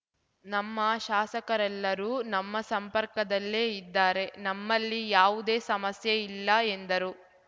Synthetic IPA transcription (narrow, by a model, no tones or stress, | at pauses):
nɐmːɐʃaːsɐkɐɾɛlːɐɾuːnɐmːɐsɐmpɐɾkɐd̪ɐlːe̞ːid̪ːaːɾe̞nɐmːɐlːijaːʋud̪e̞ːsɐmɐsjɐilːɐend̪ɐɾu